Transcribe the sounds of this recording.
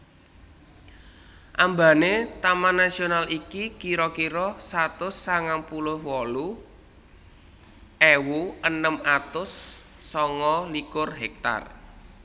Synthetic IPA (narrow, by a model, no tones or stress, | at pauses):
ʔamba̤net̪amanːasionalikikiɾɔkiɾɔsat̪ʊsːaŋaŋpulʊhwɔlu | ʔewuʔənəmat̪ʊsː | ɔŋɔlikʊrɦɛk̚t̪a̰r